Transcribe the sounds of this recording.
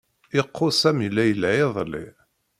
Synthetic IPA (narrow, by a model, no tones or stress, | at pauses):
ɪqʰːʊsæmilːæjəlʕɪðˤlḭ